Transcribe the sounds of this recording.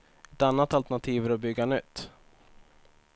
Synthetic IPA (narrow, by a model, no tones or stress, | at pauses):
ɛt̪anːat̪alt̪ɛɳat̪ʰiːvəɾɔbʏɡːanʏt̪ː